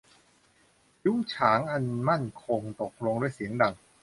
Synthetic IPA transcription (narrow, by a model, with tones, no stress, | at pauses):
ju˦˥ŋt͡ɕʰaː˩˦ŋʔa˧nma˥˩nkʰo˧ŋt̪o˨˩k̚lo˧ŋdu˥˩əjsi˩˦əŋda˧˩ŋ